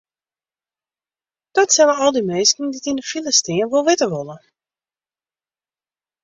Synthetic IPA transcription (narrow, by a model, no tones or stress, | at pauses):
d̥ɔtsɛlənɔlˠdimeːstn̩ditindəfilistinʋolˠʋɪtəʋolˠə